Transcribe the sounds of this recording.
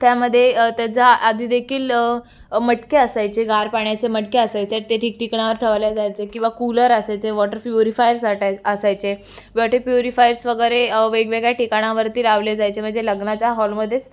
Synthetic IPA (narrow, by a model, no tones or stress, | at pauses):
t̪jaməd̪ʱːjet̪əd͡zaːd̪ʱiːd̪ekʰiːl | məʈkeəsajt͡seɡʱaɾpaɳjat͡seməʈkeəsajt͡set̪eʈʰikʈikɳaʋəɾʈʰəʋljad͡zajt͡sekĩw̃ʋakuləɾəsajt͡seʋɔʈəɾpjuɾifajəɾsaʈəsajt͡se | ʋɔʈepjuɾifajɾsʋəɡəɾeʋeɡʋeɡɭjaʈikaɽ̃aʋəɾt̪iːlaʋljed͡zajt͡sem̤əɳd͡zeləɡnat͡ɕaɦɔlməd̪ʱːet͡s